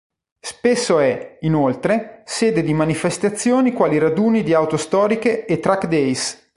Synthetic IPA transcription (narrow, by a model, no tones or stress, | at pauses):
spesːoɛinolt̪ɾeseːd̪ed̪imanifest̪at̪sːjoːnikwaːliɾad̪uːnid̪iawt̪ost̪ɔːɾikeːt̪ːɾakd̪ɛjs